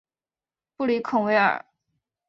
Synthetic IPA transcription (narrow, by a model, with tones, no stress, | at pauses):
pu˥˩li˧˥kʰʊ˨˩ŋwe˧˥ɪə̰˞˨˩